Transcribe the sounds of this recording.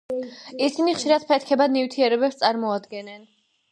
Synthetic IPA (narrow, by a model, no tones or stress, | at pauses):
isiniχʃiɾat̪̚pʰɛt̪̚ʰkʰɛbad̪nivt̪ʰiɛɾɛbɛpst̪sʼaɾmɔad̪ɡɛnɛn